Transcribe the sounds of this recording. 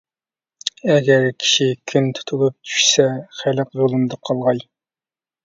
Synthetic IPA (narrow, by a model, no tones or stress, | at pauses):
ɛɡʲɛɾkʲʰi̥ʃikʲʰynt̪ʰu̥t̪ʰulˠup̚t̪ʰy̥ʃsɛχæləqjolˠɨmd̪ɑqʰɑlˠʁɑj